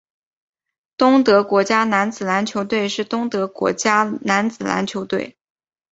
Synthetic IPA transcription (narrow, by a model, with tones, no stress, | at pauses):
t̪ʊ˥ŋt̪ɤ˧˥kwɔ˧˥t͡ɕja˥na˧˥nt͡sɹ̩˨˩na˧˥nt͡ɕʰjo˧˥ʊt̪we˥˧ɪʂɻ̩˥˩t̪ʊ˥ŋt̪ɤ˧˥kwɔ̰˧˥t͡ɕja˥na˧˥nt͡sɹ̩˨˩na̰˧˥nt͡ɕʰjo˧˥ʊt̪we˥˩ɪ